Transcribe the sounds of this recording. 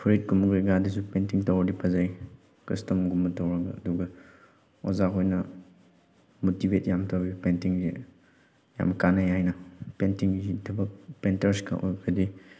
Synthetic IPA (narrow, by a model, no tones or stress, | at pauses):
pʰɾit̚kumɐɡɾiɡadisupentiŋtɐwɐdipʰɐzaj | kɾistɐmɡumːɐtɐwɾɐɡɐɐduɡɐ | ozaɦojnɐ | motibet̚jamtʰawbipentiŋzḛ | ja̰mkanajajnɐpentiŋzitʰɐbɐpentɐɾskʰa̰ʔo̰jkʰɐdi